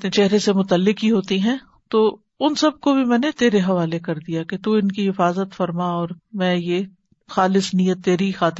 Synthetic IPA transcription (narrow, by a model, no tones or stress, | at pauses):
t͡ʃɛɦɾesemʊt̪əlːɪkɦiɦoːt̪iɦɛ̃ː | t̪oː | ʊnsɐb̚kobʱimɛ̃ːnet̪eːɾeɦɐʋaːlekɐɾd̪ijaket̪uːɪnkiɦɪfaːzət̪fɐɾmaɔːɾmɛ̃ːje | xaːlɪsnijət̪ːeːɾixaːt̪ɪ